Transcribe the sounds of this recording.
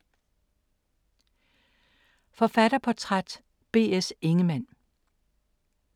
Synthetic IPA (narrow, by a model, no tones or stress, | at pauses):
fɒ̽fæɾ̥ɐpʰɒ̽t͡sʰʁad̥ | b̥e̝̰ːese̝ŋəmæn̰